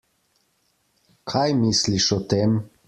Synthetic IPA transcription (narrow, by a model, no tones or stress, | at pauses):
kʰajmisliʃɔt̪em